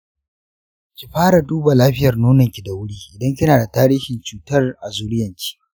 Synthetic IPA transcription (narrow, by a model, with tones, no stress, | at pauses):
kʲi˨ɸaː˦ɾa˨duː˦ba˨laː˦ɸɪ˦jɐ˨rnuː˦nɐ˨ŋkʲi˨da˨wʊ˦ɽiː˦ʔɪ˨dɐ˦ŋkʲɪ˦naː˨da˨taː˦ɾiː˦hɪ˨nt͡ʃuː˨tɐ˦rʔa˨zuː˦ɽɪ˦jɐ˨ŋkʲi̥˦ʔ